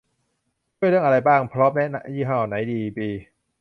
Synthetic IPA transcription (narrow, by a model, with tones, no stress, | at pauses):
t͡ɕʰu˥˩jɾɯ˥˩əŋʔa˧ɾa˧jbaː˥˩ŋpʰɾɔː˦˥mnɛ˦˥na˦˥jiː˥˩ɦaː˥˩ʔa˨˩na˩˦jdiː˧piː˧